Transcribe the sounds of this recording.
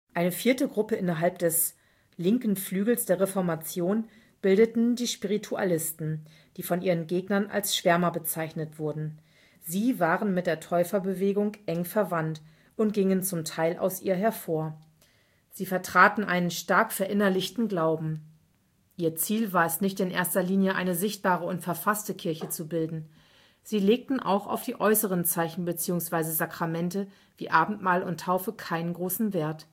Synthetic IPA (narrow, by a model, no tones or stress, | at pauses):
ʔaɪnəfiːɐtəɡʁʊpəʔɪnɐɦalp̚d̥ɛs | lɪŋkn̩flyːɡl̩sd̥eːɐʁefɔɐmat͡sjoːn | b̥ɪldətn̩diːʃpiʁ̞itʰua̰lɪstn̩ | d̥iːfɔnʔiːʁ̞ənɡeːɡnɐnʔa̰lsʃv̥ɛɐmɐbət͡saɪçnətv̥ʊɐdn̩ | ziːvaːʁənmɪt̚d̥eːɐtʰɔʏfɐbəveːɡʊŋʔɛŋfɛɐvant | ʊnt̚ɡ̥ɪŋənt͡sʊmtʰaɪlʔa̰ʊsʔḭːɐɦɛɐfoːɐ | z̥iːfɛɐtʁ̥aːtn̩ʔa̰ɪnənʃtaɐkfɛɐʔɪnɐlɪçtn̩ɡlaʊbm̩ | ʔiːɐt͡siːlvaːɐɛsnɪçtɪnʔḛːɐstɐliːnjəʔa̰ɪnəzɪçt̚b̥aːʁəʊntfɛɐfastəkʰɪɐçət͡subɪldn̩ | z̥iːleːk̚tn̩ʔa̰ʊxa̰ʊfd̥iːʔɔʏsəʁ̞ənt͡saɪçn̩bət͡siːʊŋsv̥aɪzəzakʁ̥amɛntə | vḭːʔaːbm̩tmaːlʊntʰːaʊfəkʰaɪnənɡʁoːsn̩veːɐt